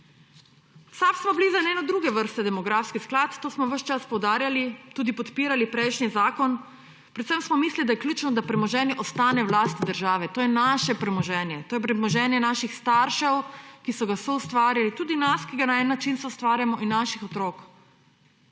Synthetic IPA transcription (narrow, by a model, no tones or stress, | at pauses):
sapsmɔblizaneːnɔd̪ɾuːɡɛʋəɾst̪ɛd̪ɛmɔɡɾaːfskisklat̪ːoːsmɔʋəʃt͡ʃaspɔwd̪aːɾjalit̪uːd̪ipɔt̪piːɾalipɾɛjʃnizaːkɔn | pɾɛt̪səmsmɔmislid̪ajɛkljuːt͡ʃnɔd̪apɾɛmɔʒɛːnjɛʔɔst̪aːnɛwlaːst̪id̪əɾʒaːʋɛt̪oːjɛnaʃɛpɾɛmɔʒɛːnjɛt̪oːjɛpɾɛmɔʒɛːnjɛnaʃixst̪aɾʃɛwkisɔɡasɔust̪ʋaːɾjalit̪uːd̪inaskiɡanaɛnːat͡ʃinsɛust̪ʋaːɾjamɔʔinːaʃixɔt̪ɾoːk